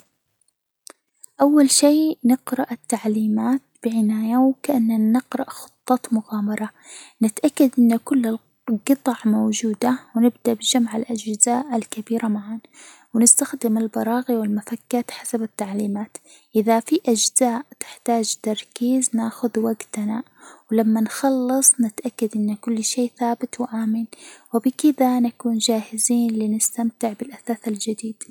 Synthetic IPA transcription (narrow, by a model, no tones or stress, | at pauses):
ʔawːalʃiːnɪqɾˤɑʔat̪ːaʕliːmaːt̪̚b̥ɪʕɪnaːjawkaʔanːanɪqɾˤɑʔxʊ̥t̪ˤːɑt̪mʊɣaːmɑɾˤɑ | nɪt̪ʔakːad̪ʔɪnːakʊlːɪl | qɨt̪ˤɑʕmowd͡ʒuːd̪awnɪb̚d̪aʔbɪd͡ʒamʕɪlʔad͡ʒzaːʔɪlkabiːɾamaʕaːn | wɪnɪst̪axd̪ɪmalbɑɾˤɑːɣiwɪlmafakːaːt̪ħasabɪt̪ːaʕliːmaːt̪ | ʔɪðafiʔad͡ʒz̥aːʔt̪ɪ̥ħt̪aːd͡ʒt̪ɑɾˤkiːznaːxʊðwaɡt̪na | wɪlamːanxɑlːɑsˤnɪt̪ʔakːad̪ʔɪnːkʊlːʃeːθaːbɪt̪wɪʔaːmɪnwɪbɪkɪðanakuːnd͡ʒaːhɪziːnlinɪst̪amt̪ɪʕbɪlʔaθaːθald͡ʒɪd̪iːd̪̥